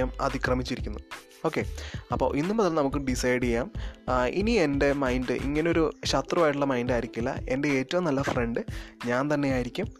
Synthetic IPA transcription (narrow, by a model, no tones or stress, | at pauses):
ɐmɐ̰d̪ʱikrɐmit͡ɕːiɾikʲːunːu | o̞ːkːe̞ɐpːo̞̰ːʔinːumuðɐlnɐmukːɨɖisɐjɖijaːmḭnie̞nde̞mɐjndɨʔḭŋːɐneo̞ɾuɕɐt̪rɐʋaːjiʈ̬ːuɭːɐmɐjndaːjiɾikʲːilːɐ̰e̞nde̞eːtːɐʋumnɐlːɐfreɳɖɨɲaːnt̪ɐnːe̞jaːjiɾikʲːum